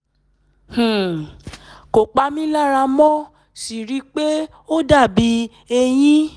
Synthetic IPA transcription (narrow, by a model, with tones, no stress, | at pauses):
h̩˨ | ko˨k͡pa˧mĩ˦la˦˨ɾa˧mɔ̃˦ | si˨ɾi˨˦k͡pe˦ | o˦da˦˨bi˨˦ | e˧j̃ĩ˦